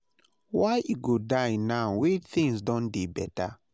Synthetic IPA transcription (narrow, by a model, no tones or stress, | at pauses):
wajuɡodajnaʊwit͡ʃθĩŋsdɔ̃ndibɛta